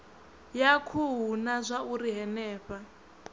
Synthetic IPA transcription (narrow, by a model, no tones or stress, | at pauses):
jakʰuɦunazʷauɾiɦɛnɛːɸa